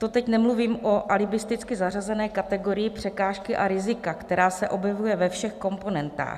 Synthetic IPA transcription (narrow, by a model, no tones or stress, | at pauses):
t̪o̞t̪ɛcnɛmluviːmʔo̞ʔalɪbɪst̪ɪt͡skɪzarazɛnɛːkat̪ɛɡo̞ɾɪjɪpr̝̥ɛkaːʃkɪʔaɾɪzɪkakt̪ɛɾaːsɛʔo̞bjɛvujɛvɛfʃɛxko̞mpo̞nɛnt̪a̰ːx